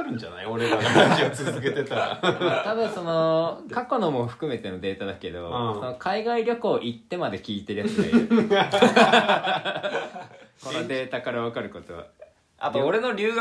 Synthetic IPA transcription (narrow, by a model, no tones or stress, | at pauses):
ɾɯ̟̃nd͡ʑana̰ioɾeaad͡ʑiot͡sɨzzɨke̞t̪e̞t̪aɾa̰at̪abɯ̟̃ɰ̃so̞no̞kako̞nomo̞ɸɯ̟̥kɯ̟me̞t̪e̞no̞d̪e̞ːt̪ad̪ake̞d̪o̞̰so̞nokʰaiɡaiɾʲjo̞koːʔit̪ːe̞mad̪e̞kʲiːt̪eɾɯ̟jasa̰e | ko̞nod̪e̞ːt̪akaɾaβakaɾɯ̟ko̞t̪o̞βa̰ | a̰t̪ooɾe̞no̞ɾʲɨːɡ